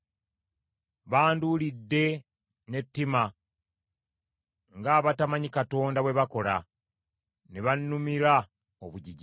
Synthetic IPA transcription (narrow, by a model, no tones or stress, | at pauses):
βaːndulidːe̞ | ne̞tːima | ŋɡaːβatamaɲikato̞ːndawe̞βako̞la̰ | neβanːumiɾa | oβuɟiɟi